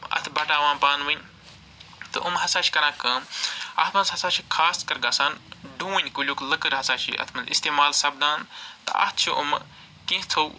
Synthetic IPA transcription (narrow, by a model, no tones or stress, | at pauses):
ɐ̰t̪ʰbʱɐʈaːʋãːnpaːnʋɨnʲ | t̪ɨ̰ʔumɦɐsaːt͡ʃʰi̥kɐɾãːkɨɐ̰t̪ʰmɐnzɦɐsaːt͡ʃʰikʰaːskɐɾɡaːsaːnɖũːnʲkulʲuːkləkɨɾɦɐsaːt͡ʃʰḭʔɐ̰t̪ʰmɐnzḭst̪eːmaːlsɐb̚d̪ãːnt̪ɨɐ̰t̪ʰt͡ʃʰuʔṵm | kẽɦt͡sʰow